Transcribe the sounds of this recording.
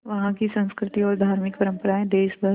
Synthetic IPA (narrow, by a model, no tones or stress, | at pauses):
ʋɐɦãkisɐ̃nskɾɪt̪iɔːɾd̪ʱaːɾmɪk̚pɐɾə̃mpəɾaːẽd̪eːʃbʱɐ